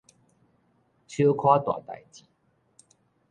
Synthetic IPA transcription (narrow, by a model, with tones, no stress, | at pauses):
t͡ɕʰjo˦kʰwa˦t̪wa̰˨˩t̪a̰˨˩jt͡ɕi˨˩˦